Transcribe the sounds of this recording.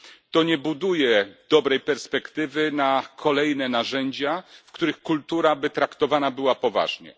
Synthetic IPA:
t̪ɔɲɛbud̪ujɛd̪̥ɔbɾɛjpɛɾspɛkt̪ɘvɘnakʰɔlɛjnɛnaʐɛɲd͡ʑafkt̪uɾɘxkult̪uɾabɘt̪ɾakt̪ɔvanabɘwapɔva̰ʐɲɛ̰

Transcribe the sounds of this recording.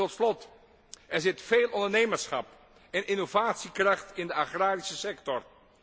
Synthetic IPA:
ɔtslɔt | ɛɹzɪtfeːlˠɔndəɹnejməɹsχɑ̰p | ɛnʔɪnovaːtsikrɑχtɪndəaχraːɾisəsɛktɔr

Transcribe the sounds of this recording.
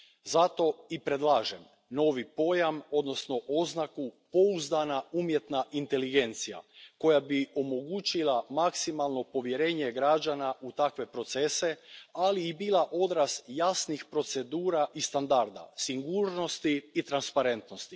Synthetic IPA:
zat̪o̞ipɾed̪lˠaːʒem | no̞ːʋipo̞jamo̞d̪no̞sno̞ʔo̞znakupo̞uzd̪anaumje̞t̪naʔint̪e̞liɡe̞nt̪sija̰ko̞jabio̞mo̞ɡut͡ɕilˠamaksimalˠno̞po̞ʋje̞ɾe̞ːɲe̞ɡɾad͡ʒanaʔut̪akʋe̞pɾo̞t̪se̞se̞aliːbiːlˠaʔo̞d̪ɾasjasnixpɾo̞t̪se̞d̪uːɾaʔist̪and̪aɾd̪a̰siŋɡuːɾno̞st̪iːt̪ɾanspaɾe̞nt̪no̞st̪i

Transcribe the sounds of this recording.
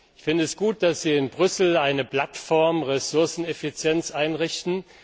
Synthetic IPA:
ɪçfɪndəɛsɡ̥uːt̚d̥asz̥iːɪnbʁʏsl̩aɪnəpl̥atfɔɐmʁesʊɐsn̩efit͡sjɛnt͡sʔaɪnʁɪçtn̩

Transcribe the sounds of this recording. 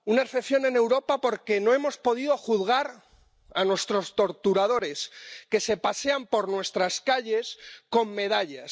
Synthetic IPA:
unaeɾθeθjo̞ne̞ne̞wɾo̞papo̞ɾke̞no̞e̞mo̞spo̞ðiðo̞xuðɣaɾ | anwe̞st̪ɾo̞st̪o̞ɾt̪uɾað̞o̞ɾe̞ske̞se̞pase̞ampo̞ɾnwe̞st̪ɾaskaʎe̞sko̞mːe̞ðaʎas

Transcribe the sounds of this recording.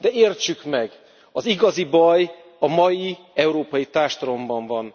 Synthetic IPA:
d̪ɛeːrt͡ʃykmɛɡ | ɒziɡɒzibɒj | ɒmɒji | ɛuɾoːpɒjit̪aːrʃt̪ɒlo̞mbɒɱvɒn

